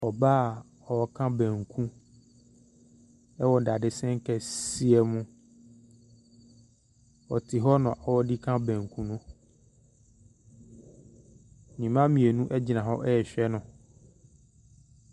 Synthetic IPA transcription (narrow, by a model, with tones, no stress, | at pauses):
ɔ˨baː˦˨ | ɔ˨wɔ˦kʰã˦bɛ̃˨ŋkʰũ˦ | ɛ˦wɔ˨da˨dɪ˨sɛ̃˦ŋ˦kɛ˨si˦ɛ˦mũ˦ | ɔ̰˨tʰɪ˨ɦɔ˦nʊ̃˨ɔ˨wɔ˦di˦kʰã˦bɛ̃˨ŋ˨kʰũ˦nʊ̃˦ | nĩ˨mã˦mĩ˨e˨nũ˦ʔɛ˦d͡ʑi˨nã˨ɦɔ˦ʔɛ˦ɛ˨ɕᶣɛ˦nʊ̃˦